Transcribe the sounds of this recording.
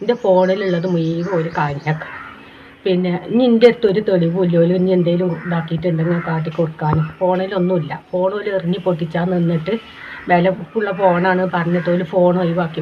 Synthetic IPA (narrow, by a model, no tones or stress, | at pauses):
indefo̞ːɳɐiluɭːɐðɨmujijʋɨoɾukaɲːɐkːɐ̥ | pinːe̞ɲindet̪ːo̞ɾut̪o̞ɭiʋuulːoːluɲiend̪ejilumɖaːkːijiʈːuɳɖeŋːɐnekaːʈ̬ːikʲːoɽɐkːaːnofo̞ːɳɐjilo̞nːumilːɐfo̞ːɳolɨerɐɲːipoʈːit͡ɕːaːninːiʈːɨ | melɐkːuɭːɐpo̞ːɳaːɳɨpɐrɐɲːɐt̪ːoːlufo̞ːɳojʋaːkːi